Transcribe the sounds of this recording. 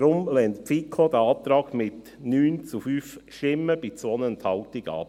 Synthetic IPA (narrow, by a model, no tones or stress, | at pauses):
ɾʊmlɛntpfikʰod̪əɑːt̪ɾɑːɡmɪt | nyːnt͡sufyːfʃɪməb̥it͡sʋɔnənt̪hɑʊtɪɡɑ̰ːp